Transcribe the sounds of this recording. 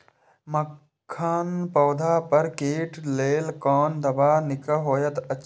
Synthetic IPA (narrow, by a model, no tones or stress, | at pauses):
mə | kʰːaːnpɔːd̪ʱaːpɐɾkeːʈleːlkɔːnd̪ɐbaːnɪkəɦoːjət̪ɐ